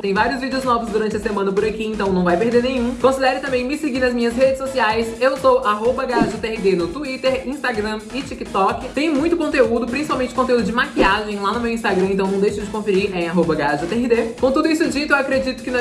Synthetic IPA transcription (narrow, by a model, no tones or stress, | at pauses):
t̪ẽj̃vaɾiʊzvid͡ʒeʊznɔvʊzd̪uɾɐ̃nt͡ʃɪɐsemɐ̃nɐpʊɾakiẽnt̪ɐ̃w̃nɐ̃w̃vajpeɾd̪eɾnẽjɲ̃ũkõsid̪ɛɾɪt̪ɐ̃mbẽj̃mɪseɡiɾnɐzmĩɲɐzɦed͡ʒɪsosiajsewsowʔaɦobɐɡaʒʊt̪ɛɪd̪enʊt̪uit̪eɾĩst̪aɡɾɐ̃ɪt͡ʃikɪt̪ɔkɪt̪ẽj̃mũj̃t̪ʊkõnt̪eud̪ʊpɾĩsipawmẽnt͡ʃɪkõt̪eud̪ʊd͡ʒɪmakiaʒẽj̃lanʊmewĩst̪aɡɾɐ̃ẽnt̪ɐ̃w̃nɐ̃w̃d̪ejʃʊd͡ʒɪkõfeɾiɾẽj̃aɦobɐɡaaʒɐt̪ɛɦɪd̪ekõt̪ud̪ʊisʊd͡ʒit̪ʊewakɾed͡ʒit̪ʊ̥kɪnɔ